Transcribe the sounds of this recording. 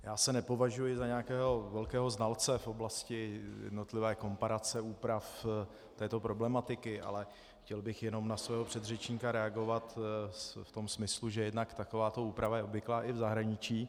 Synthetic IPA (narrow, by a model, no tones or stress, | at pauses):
jaːsɛnɛpo̞vaʒujɪzaɲɛakɛːɦo̞vɛlkɛːɦo̞znalt͡sɛfo̞blascɪjɛ̰dno̞t̪lɪvɛːko̞mpaɾat͡sɛuːpɾaf | t̪ɛːt̪o̞pɾo̞blɛmat̪ɪkɪʔa̰lɛ | xcɛlbɪxjɛno̞mnasvɛːɦopr̥ɛd̪rɛt͡ʃɲikaɾɛaɡo̞vat̪sft̪o̞msmɪsluʒɛjɛdnakt̪akovaːt̪o̞uːpɾavajɛobvɪklaːʔɪvzaɦɾaɲɪt͡ʃiː